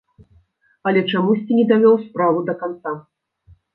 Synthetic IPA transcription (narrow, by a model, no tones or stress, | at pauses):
ɐlʲɛt͡ʂamusʲt͡sʲinʲɛd̪avʲɔwspɾavud̪ɐkant̪sa